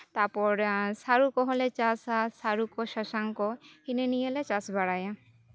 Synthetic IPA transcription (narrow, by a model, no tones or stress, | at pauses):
t̪apɔɾsaɾukɔɦolet͡ɕasasaɾukoʃaʃaŋkohinenijelet͡ɕasbaɽaja